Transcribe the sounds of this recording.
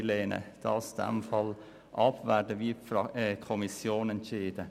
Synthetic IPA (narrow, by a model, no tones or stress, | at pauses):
leːnə̰d̪̥ɑ̰ːsd̪̥ɛ̰mfɑl | ʔɑpʋæːɖəʋiːfkʰɔmɪsjoːnɛnt̪t͡ʃiːd̪ə